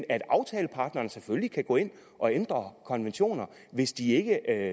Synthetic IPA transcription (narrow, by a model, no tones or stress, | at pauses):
næd̥ɑ̈ʊt͡sʰɛːləpʰɑ̈d̥nɐːnəseføllikʰæɡ̥ɔ̰̽ːe̝n̰ | ʔɒ̽end̥ʁɐkʰɒ̽nʋenɕo̝̰ːnɐ | ʋe̝sd̥ie̝ɡ̥ə